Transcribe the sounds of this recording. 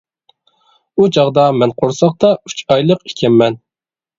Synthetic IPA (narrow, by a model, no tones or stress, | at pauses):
ut͡ʃɑʁd̪ɑmɛnqʰoɾsɑqt̪ɑy̥t͡ʃʰɑjlˠəqi̥kʲʰɛmːɛn